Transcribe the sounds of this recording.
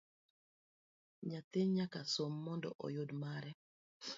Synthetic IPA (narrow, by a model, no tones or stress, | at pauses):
ɲat̪eɲakasomːɔndɔ̰ʔɔ̰jʊdmaɾɛ